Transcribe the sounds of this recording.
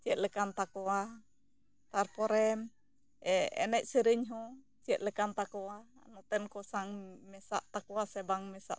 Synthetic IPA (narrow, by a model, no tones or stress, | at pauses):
t͡ʃiɛʔ̪ləkant̪akoa | t̪arpoɾɛm | ɛɛ̰nɛʔsəɾiɲɦo | t͡ʃiɛʔ̪ləkant̪akoaa̰nɔt̪ɛnkɔsaŋmɛsaʔt̪akuasebaŋmɛsa̰ʔ